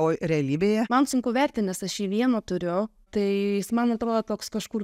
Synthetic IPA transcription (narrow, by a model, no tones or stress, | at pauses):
ʋoːɾʲɛɐlʲiːbʲeːjɛmɐnsʲʊŋkɐʊʋʲæɾʲt̪ʲɪnʲɛsɐʃiːʋʲiɛnoːt̪ʊɾʲʊ | t̪ɐɪsmɐnɐɐt̪ɾoːd̪oːt̪oːkskɐʃkuːr